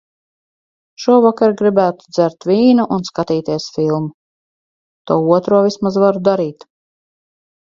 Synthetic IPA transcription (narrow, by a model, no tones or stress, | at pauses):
ʃuɔvakaɾɡɾibæːt̪u̥d̪zæɾt̪vʲiːnuʔunskat̪iːt̪iɛsfilˠmu | t̪uːuɔt̪ɾuɔvʲismazvaɾud̪aɾiːt̪